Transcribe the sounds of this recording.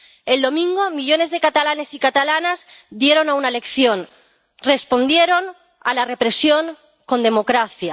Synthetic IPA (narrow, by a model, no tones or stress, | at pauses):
e̞ld̪o̞mĩŋɡo̞miʎo̞ne̞zðe̞kat̪alane̞sikat̪alanazd̪je̞ɾo̞naunaele̞kθjo̞n | re̞spo̞nd̪je̞ɾo̞n | a̰lare̞pɾe̞sjo̞ŋ | ko̞nd̪e̞mo̞kɾaθja